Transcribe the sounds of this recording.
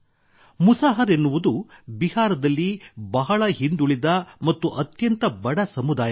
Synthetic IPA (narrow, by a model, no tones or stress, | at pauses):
musaːɦɐɾenːuʋud̪ubihaːɾɐd̪ɐlːibɐɦɐɭɐɦind̪uɭid̪ɐmɐt̪ːuʔɐt̪jɐnt̪ɐbɐɽɐsɐmud̪aːjɐa